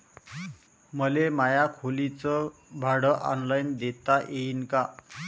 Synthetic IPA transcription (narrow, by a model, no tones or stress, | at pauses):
məlemajakʰolit͡səbʱaɽəʔɔ̰nlajnd̪et̪aʔeinka